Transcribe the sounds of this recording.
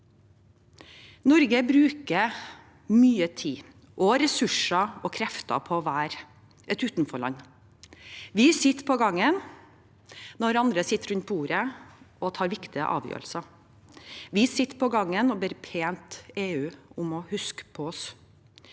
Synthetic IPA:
nɔɾɡəbɾʉːkə | myːət̪ʰiː | ʔɔɾɛsʉʂəɔkʰɾɛft̪ɑ̰pʰɔʋæːɾ | ʔɛt̪ʉːt̪nfɔɭɑ̰nː | ʋɪsɪt̪ːpʰɔɡɑŋːən | nɔɾɑnd̪ɾəsɪt̪ːəɾʉnt̪̚buːɾəɔt̪ʰɑːɾʋɪkt̪ɪə̰ʔɑ̰ːʋjø̰ːɾəlsɑ | ʋɪsɪt̪ːpʰɔɡɑŋːənɔbɛɾpʰeːnt̪eːʉːʊmɔhʉskə̥pʰɔɔs

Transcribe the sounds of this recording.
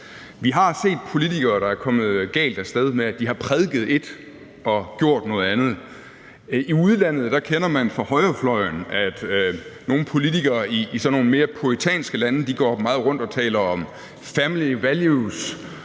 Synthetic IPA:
ʋiɦɑ̈se̝̰ːd̥̚pʰo̝lit͡sʰiɡ̥ɐːɾ̥ɑ̈æɐkʰɒ̽mð̞̩ˠɡ̥ɛ̰ːld̥æsd̥eð̞ˠmeæd̥iɦɑ̈pʰʁɛð̞ˠɡ̥ð̩ˠe̝d̥ | ɒ̽ɡ̥jo̝ɐ̰d̥nɔ̽ːð̩ˠænð̞̩ˠ | iuð̞ˠlæn̰ð̞̩ˠd̥ɑ̈kʰenɐmænfʁɑ̈hɒ̽ɪɐflɒ̽ɪnæd̥no̝ːn̩pʰo̝lit͡sʰiɡ̥ɐːiːsɒnːo̝ːnəme̝ːɐpʰuit͡sʰɛ̰ːnsɡ̥əlænəd̥iɡ̥ɒ̰ːmɑ̈ːð̞̩ˠʁɔ̽n̰d̥ɒ̽t͡sʰɛ̰ːlɐɒ̽m | fæmliʋæljus

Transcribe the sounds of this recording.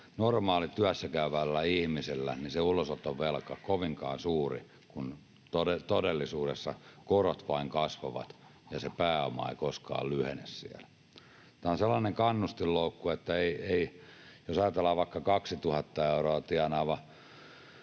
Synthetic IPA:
normɑːlit̪yæsːækæyʋælːæihmisilːæ̰niseulosot̪ːoʋʋelkɑkoʋiŋkɑːnsuːrḭ | kun | t̪oet̪odelːisuːdesːɑkorot̪ʋɑiŋkɑsʋoʋɑ̰t̪jɑsepæːo̰mɑ̰ḛikoskɑ̰ːllyhḛnessḭæl | t̪æonselːɑːneŋkɑnːust̪illoukːuet̪ːæeieijosɑjɑt̪elːˑɑːʋʋɑikːɑkɑksit̪uhɑt̪ːɑeuroɑt̪iɑnɑːʋɑ

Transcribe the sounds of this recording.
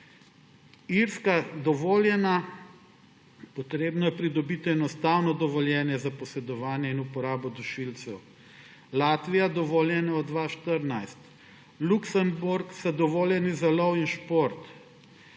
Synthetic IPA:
iɾskad̪ɔʋoːljɛna | pɔt̪ɾeːbnɔjɛpɾid̪ɔbit̪iɛnɔst̪awnɔd̪ɔʋɔljɛːnjɛzapɔsɛd̪ɔʋaːnjɛinupɔɾaːbɔd̪uʃilt̪sɛw | laːt̪ʋijad̪ɔʋoljɛnaɔd̪ʋaʃt̪əɾnajst̪ | luksəmbuɾksad̪ɔʋoːljɛnizalɔwinʃpoɾt̪

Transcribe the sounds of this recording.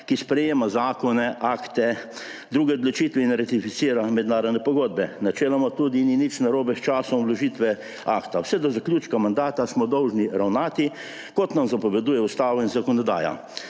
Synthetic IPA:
kispɾɛjeːmazaːkɔnɛʔaːkt̪ɛ | d̪ɾuːɡɛɔd̪lot͡ʃit̪ʋɛinɾat̪ifit̪siːɾamɛd̪naːɾɔd̪nɛpɔɡoːd̪̚bɛnat͡ʃeːlamɔt̪ud̪ininit͡ʃnaɾoːbɛst͡ʃaːsɔmlɔʒit̪ʋɛ | aːkt̪awsɛd̪ɔzaklʲjut͡ʃkamand̪aːt̪asmɔd̪ɔwʒniɾawnaːt̪i | kɔt̪namzapɔʋɛd̪uːjɛust̪aːʋɔinzakɔnɔd̪a̰ːja̰

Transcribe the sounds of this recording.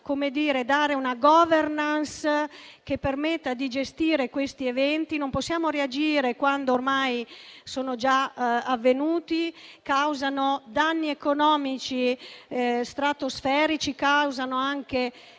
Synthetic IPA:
komed̪iːɾed̪aːɾeunaɡɔːvernansk̟epːermet̪ːad̪id͡ʒest̪iːɾekwest̪ievɛnt̪inomposːjaːmoɾead͡ʒiːɾekwand̪oormajsoːnod͡ʒaavːenuːt̪ikawzanod̪anːiekonɔːmit͡ʃi | st̪ɾat̪osfɛːɾit͡ʃikawzanoaŋke

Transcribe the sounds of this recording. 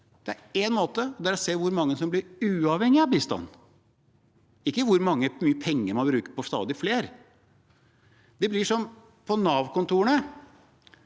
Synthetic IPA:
d̪̥ɛæɾenmoːt̪əɔd̪æɾɔseːʋʊɾmɑŋːəsɔmblɪɾʉːɑʋhɛŋːɪɑbiːst̪ɑ̰nː | ɪkːəʋʊɾmɑŋːəmyːəpʰɛŋːəɾmɑnbɾʉːkəɾpɔst̪ɑ̰ːd̪ɪfleːɾ | d̪ɛblɪʂɔm | pʰɔnɑːʋkʊnt̪uːəɳə

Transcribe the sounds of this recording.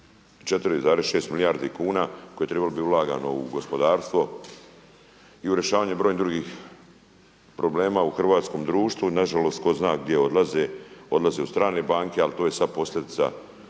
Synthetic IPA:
t͡ʃe̞t̪ɾizaːɾesʃe̞ːst̪milijaːɾd̪ikuːnako̞jet̪ɾebalobiulˠaːɡa̰no̞ṵɡo̞spo̞d̪aːɾst̪ʋo̞ | iuɾje̞ʃaːʋaːɲubɾojnind̪ɾuɡix | pɾo̞ble̞ːmauxr̩ʋaːt̪sko̞md̪ɾuːʃt̪ʋunaʒalo̞st̪ko̞znaːɡ̚d̪jeo̞d̪lazeo̞d̪lˠazeust̪ɾaːne̞baːŋke̞alit̪o̞ːje̞sad̪̚po̞slʲe̞d̪it̪sa̰

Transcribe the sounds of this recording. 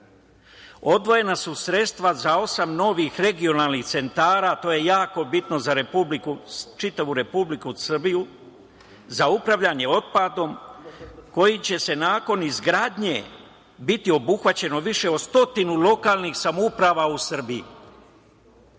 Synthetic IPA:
o̞d̪ʋo̞je̞nasusɾe̞t̪st̪ʋazao̞samno̞ʋixɾe̞ɡio̞naːlˠnixt̪se̞nt̪aːɾaːt̪o̞je̞jaːko̞bit̪no̞zaɾe̞publikut͡ʃit̪aʋuɾe̞publikusr̩biju | zaupɾaʋʎaɲe̞o̞t̪̚pad̪o̞m | ko̞jit͡ɕe̞se̞naːko̞nizɡɾaːd̪ɲe̞ | bit̪io̞buxʋat͡ɕe̞no̞ʋiʃe̞od̪st̪o̞t̪inulo̞kaːlˠnixsamoupɾaʋausr̩bijḭ

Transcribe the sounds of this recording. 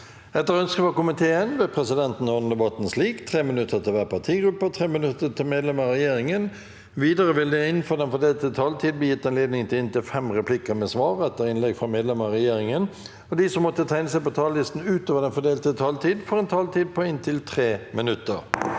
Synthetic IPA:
ɛt̪ːəɾœnskəfɔkʊmɪt̪ʰeːənʋeːpʰʁɛsɪd̪ɛnt̪n̩ɔnd̪ɛbɑt̪n̩sliːkt̪ʰʁeːmɪnʉt̪ʰːət̪ʰɪlʋæːʁpʰɑt̪ʰiːɡɾʉpːət̪ʰʁeːmɪnʉt̪ːət̪ʰɪlmeːd̪lɛməʁɛjeːɾɪŋən | ʋiːd̪əʁəʋɪld̪ɛɪnnfoːd̪ɛnfɔd̪eːlt̪ʰːɪlt̪ʰɑːlt̪ʰiːd̪b̪əjɪt̪ːɛɪnleːd̪nɪŋt̪ʰɪlɪnt̪ɪlfɛmʁɛpʰlɪkəmɛsʋɑːʁɛt̪ːəɾɪnlɛɡfʁɑmeːd̪lɛməʁɛjeːɾɪŋən | ɔd̪ɪsɔmːɔt̪ːət̪ʰæɪnəsæɪpɔt̪ʰɑːllɪst̪n̩ʉːt̪oːʋəd̪ɛnfɔd̪eːlt̪ʰɪlt̪ʰɑːlt̪ʰiːd̪fɔɾɛnt̪ʰɑːlt̪ʰiːd̪̚pʰɔɪnt̪ʰɪlt̪ʰʁeːmɪnʉt̪ːəɾ

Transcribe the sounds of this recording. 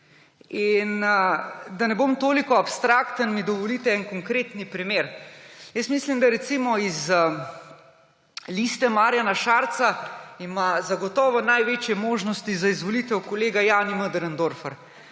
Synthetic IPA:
in | d̪anɛbomt̪oːlikɔapst̪ɾakt̪ənmid̪ɔʋɔliːt̪ɛɛnkɔŋkɾeːt̪nipɾimeːɾjəstmislimd̪aɾɛt̪simɔiz | list̪ɛmaːɾjanaʃaːɾt̪saimazaɡɔt̪ɔːʋɔnajʋeːt͡ʃjɛmoːʒnɔst̪izaizʋɔlit̪ɛwkɔleːɡajaːniməd̪əɾənd̪oɾfəɾ

